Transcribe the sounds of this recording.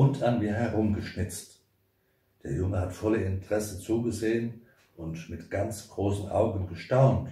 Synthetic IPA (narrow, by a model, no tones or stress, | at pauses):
ʊntʰanmiːɐɦɛʁʊmɡəʃnɪt͡st | d̥eːɐjʊŋəhatfɔləɪntʁ̥ɛsət͡suːɡəzeːən | ʔʊntmɪtɡ̥ant͡sɡ̥ʁoːsn̩ʔa̰ʊɡən̩ɡəʃtaʊnt